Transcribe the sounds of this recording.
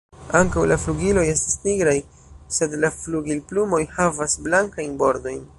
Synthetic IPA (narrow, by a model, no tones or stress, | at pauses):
aŋkawlafluɡilo̞je̞stisniɡɾaj | se̞dlafluɡilplumo̞jhavasblaŋkajnbo̞ɾdo̞jn